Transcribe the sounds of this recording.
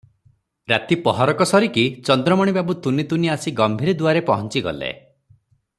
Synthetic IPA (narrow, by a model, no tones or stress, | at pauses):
ɾat̪ipɔɦɔɾɔkɔsɔɾikit͡ʃɔnd̪ɾɔmɔɽ̃ibabut̪unit̪uniasiɡɔmbʱiɾid̪uaɾepɔɦɔnt͡ʃiɡɔ̰lḛ